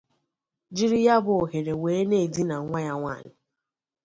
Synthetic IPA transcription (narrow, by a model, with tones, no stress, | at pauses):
d͡ʒi˦ɾi˦ja˦bʊ˨o˨ɦe˨ɾe˨weː˨˦ne˦˨di˦na˨ŋʷa˦ja˦ŋʷa̰˦˨nɪ˨